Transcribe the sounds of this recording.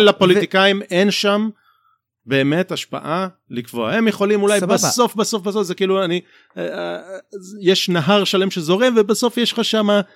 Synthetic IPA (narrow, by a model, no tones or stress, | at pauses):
lapo̞lit̪ikajime̞nʃam | be̞ːme̞taʃpa̰ʔa | likvoaemjeχo̞limulajbaso̞fbaso̞fbasofzekiːluani | jeʃnaɦaʁʃale̞mʃezo̞ʁemvebaso̞fjeʃχaʃama